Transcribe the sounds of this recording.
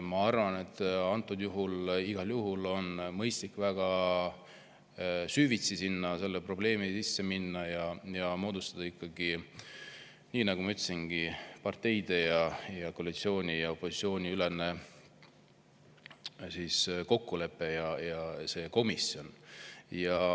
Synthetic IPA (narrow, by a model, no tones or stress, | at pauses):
mɑɑrvɑne̞t̪ːˑɑnt̪ːˑud̪̥juɦuliɡ̥ɑljuɦulo̞nmɤjst̪likːˑvæɡ̥ɑ | syːvit̪sisinːɑse̞lːepro̞ble̞ːmisisːe̞minːɑjɑjɑmo̞ːd̪̥ust̪ɑd̪̥ɑikːɑɡ̥i | niːnɑɡ̥umɑyt̪ːˑesinɡ̥ipɑrt̪ːe̞jd̪̥e̞jɑjɑkoɑlit̪sio̞ːnʲijɑo̞pːo̞sit̪sio̞ːnʲiyle̞ne̞ | siːsko̞kːule̞pːe̞jɑjɑse̞ːko̞misjo̞njɑ